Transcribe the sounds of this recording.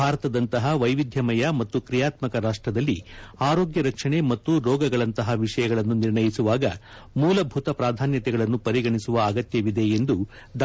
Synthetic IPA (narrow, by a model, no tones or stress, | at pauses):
bʱaːɾɐt̪ɐd̪ɐnt̪ɐɦɐʋɐjʋid̪ʱjɐmɐjɐmɐt̪ːukɾijaːt̪mɐkɐɾaːʂʈɾɐd̪ɐlːḭaːɾoːɡjɐɾɐkʂɐɳe̞mɐt̪ːuɾɔːɡɐɡɐɭɐnt̪ɐɦɐʋiʂɐjɐɡɐɭɐnːuniɾɳɐjisuʋaːɡɐ | muːlɐbʱut̪ɐpɾaːd̪ʱaːnjɐt̪ɛɡɐɭɐnːupɐɾiɡɐɳisuʋɐːɡɐt̪jɐʋid̪e̞ːnd̪u | ɖ̪